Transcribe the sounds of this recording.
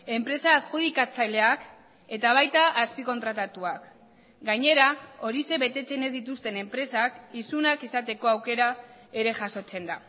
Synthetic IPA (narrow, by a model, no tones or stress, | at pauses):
e̞mpɾe̞sakxuðikat͡sajle̞ak | e̞t̪aβ̞ajt̪aʔaspiko̞nt̪ɾat̪at̪uak | ɡaɲe̞ɾao̞ɾise̞βe̞t̪e̞t͡se̞ne̞zd̪it̪ust̪e̞ne̞mpɾe̞sakisunakisat̪e̞ko̞awke̞ɾae̞ɾe̞ʝaso̞t͡se̞nd̪a